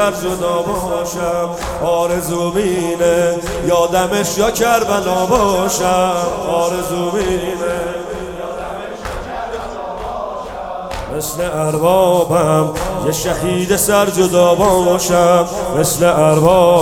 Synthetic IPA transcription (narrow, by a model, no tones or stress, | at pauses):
aɾd͡ʒod̪ɔːbɔːʃam | ɔːɾezumiːne | jɔːd̪ameʃjɔkʰaɾbalɔːbɔːʃamɔːɾezumine | mesleaɾbɔːbamjeʃahiːd̪esaɾd͡ʒod̪ɔːbɔːʃamːesleʔaɾbɔː